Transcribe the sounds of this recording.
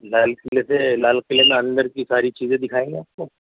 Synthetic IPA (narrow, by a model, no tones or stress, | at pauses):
laːlkɪleselaːlkɪlemẽɐ̃nd̪əɾkisaːɾit͡ʃiːzẽd̪ɪkʰaːẽŋɡiaːpko